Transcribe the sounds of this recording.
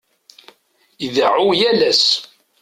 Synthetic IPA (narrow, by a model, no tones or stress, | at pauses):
ðəʕujælæs